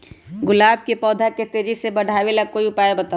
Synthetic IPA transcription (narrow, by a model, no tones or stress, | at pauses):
ɡʊlaːb̚kepɔːd̪ʱaket̪eːd͡ʒisebəɽ̤ʱaːʋelakoːiʊpaːebət̪a